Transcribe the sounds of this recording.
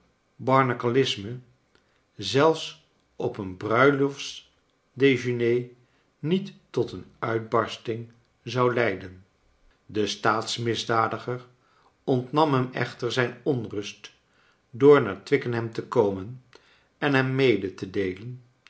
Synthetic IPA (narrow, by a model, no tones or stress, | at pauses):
bɑɹnakalɪsmə | zɛlˠfs | ʔɔpənbrœɥlɔfs | dejʒənej | nitː | ɔtənœɥd̚bɑɹstɪŋ | zɑwlɛjdən | dəstaːtsmɪzdaːdəχəɹ | ɔntnɑmɦɛmɛ̰χtəɹzɛjnɔnrɵst | dʊːɹnaːɹtʋɪkənɦɛmtəkowmən | ɛnɦɛmːejdətədejlən